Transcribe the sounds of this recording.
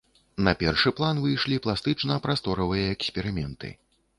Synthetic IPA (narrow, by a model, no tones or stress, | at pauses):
nɐpʲɛrʂɨplˠanvɨjʂlʲiplˠast̪ɨt͡ʂnɐpɾast̪ɔɾɐvɨjɐɛksʲpʲɛɾɨmʲɛnt̪ɨ̰